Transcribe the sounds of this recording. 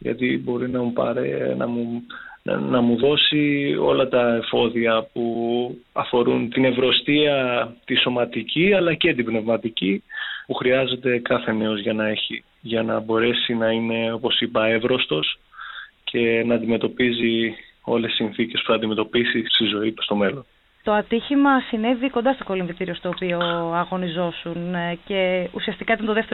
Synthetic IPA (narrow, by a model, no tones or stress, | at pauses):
ʝɐ̰t̪ibo̞ɾinɐmupɐ̰ɾḛnɐ̰mṵ | nɐmuðo̞sio̞lɐt̪ɐefo̞ðiɐpuɐfo̞ɾunt̪ine̞vɾo̞st̪iɐt̪iso̞mɐt̪iciɐlɐce̞t̪̬ibne̞vmɐt̪icipuxɾiɐze̞d̪e̞kɐθe̞ne̞o̞zʝɐnɐe̞çi | ʝɐnɐbo̞ɾe̞sinɐine̞o̞po̞sipɐe̞vɾo̞st̪o̞scʰe̞nɐːnd̪ime̞t̪o̞pizio̞lesisinθice̞spu̥θɐnd̪ime̞t̪o̞pisist̪izo̞it̪ust̪o̞me̞lo̞n | t̪o̞ɐt̪içimɐsineðiko̞nd̪ɐst̪oko̞linðit̪iɾio̞st̪o̞ːpio̞ɐɣo̞nizo̞sunce̞usiɐst̪ikɐit̪ɐnt̪oðeft̪e